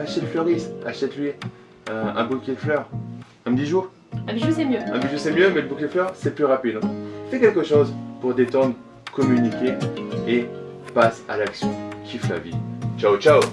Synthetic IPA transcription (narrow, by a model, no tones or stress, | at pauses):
aʃɛt̪fløʁisaʃɛt̪lɥi | øɛ̰̃bukʲid̪əflœʁ | ɛ̃md̪iʒuːʁ | ɛ̃iʒusɛmjøɛ̃md̪iʒuʁsɛmjømɛləbukʲed̪əflœʁsɛplyʁapid̪ɛ̃fɛkʲɛlkəʃozpuʁd̪et̪ɑ̃d̪ʁ | kɔmynikʲee | pasa̰laksjɔ̃kʰʲifla̰vit͡ʃaot͡ʃa